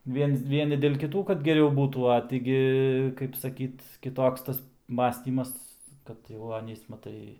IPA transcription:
ˈʋʲiɛns ˈʋʲiɛnʲɪ dʲeːlˠ kʲɪˈtuː kɐt ɡʲɛˈrʲɛʊ ˈbuːtuː ɐ tʲiː ˈɡʲɪ kɐɪp sɐˈkʲiːt kʲɪˈtoːks ˈtɐs ˈmɑːsʲtʲiːmɐs ˈkɐt jɛʊ ˈɑːnʲiːs mɐˈtɐɪ

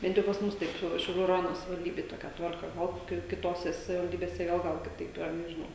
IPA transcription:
ˈbʲɛnt jɛʊ pɐs ˈmʊs ˈtɐɪp ˈʃʲɛʊ ʃʲɛʊˈlʲuː rɐˈjoːnoː sɐʋʲɪʋɐlʲˈdʲiːbʲeːj ˈtoːkʲɛ ˈtʋɐrkɐ ˈoː ˈkʲɪ kʲɪˈtoːsʲɛ sɐʋʲɪʋɐlʲˈdʲiːbʲeːsʲɛ ˈɡɐlˠ ˈɡɐlˠ kʲɪˈtɐɪp iːˈrɐ nʲɛʒʲɪˈnɐʊ

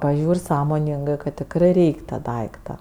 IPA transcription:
pɐˈʒʲuːrʲ ˈsɑːmoːnʲɪŋɡɜ kɐt tʲɪkˈrɜ ˈrʲɛɪkʲ tɐ ˈdɐɪktɐ

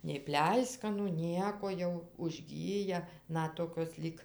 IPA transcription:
nʲɛɪ ˈpʲlʲɛɪskɐnuː ˈnʲiɛkoː jɛʊ ʊʒʲˈɡʲiːjɛ ˈnɐt ˈtoːkʲoːs lʲiːk

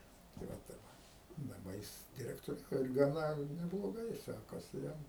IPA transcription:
tɐɪ ˈʋɐ ˈtɐɪp dɐˈbɐ ˈjɪs dʲɪrʲɛktoːˈrʲɛʊjɛ ɪr ɡɐˈnɐ nʲɛblˠoːˈɡɐɪ ˈsʲæːkɐsʲɪ ˈjɛm

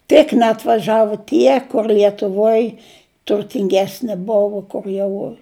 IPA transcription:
tʲɪk nʲɛɐtʋɐˈʒɑːʋʊ ˈtʲiɛ kʊr lʲiɛtʊˈʋoːj tʊrʲtʲɪŋʲˈɡʲæːsʲnʲɪ ˈbʊʋʊ kʊr ˈjɛʊ

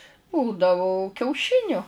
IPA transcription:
ˈbuːdɐʋoː kʲɛʊˈʃʲɪnʲʊ

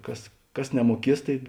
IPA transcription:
ˈkɐs ˈkɐs nʲɛmuɔˈkʲiɛs ˈtɐɪ

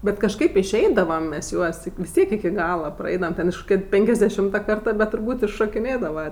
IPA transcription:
bʲɛt kɐʃˈkɐɪp ɪʃʲˈɛɪdɐʋɐm mʲɛs ˈjuɔs ʋʲɪs ˈtʲiɛk ɪkʲɪ ˈɡɑːlˠɐ prɐˈɛɪdɐʋɐm ˈtʲɛn ɪʃ koːˈkʲɛ ˈpʲɛŋʲkʲɛzʲˌdʲæːʃʲɪmtɐ ˈkɐrtɐ bʲɛt tʊrˈbuːtʲ ɪʃʃoːkʲɪˈnʲeːdɐʋɐ

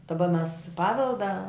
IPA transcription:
dɐˈbɐ mʲɛs ˈpɑːʋʲɛlˠdɐ

